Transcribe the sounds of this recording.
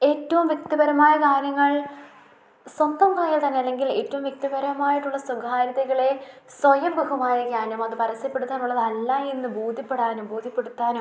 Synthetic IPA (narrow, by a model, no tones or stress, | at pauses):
e̞ːtːɐʋumʋjek̚t̪ibɐɾɐmaːjɐkaːɾjɐŋːɐɭ | swɐnd̪ɐmkaːjiːlt̪ɐnːejɐlːe̞ŋɡileːtːɐʋumʋjek̚t̪ibɐɾɐmaːjiʈːuɭːɐsuɡʱaːɾɐðɐɣɐɭe̞swɐjɐmbɐɣumaːjɐɡaːɾjɐmɐðɨpɐɾɐsɐpːeɽut̪ːaːnuɭːɐðɐlːaenːɨbuːd̪ʱːipːe̞ɽaːnubuːd̪ʱjipːe̞ɽut̪ːaːnu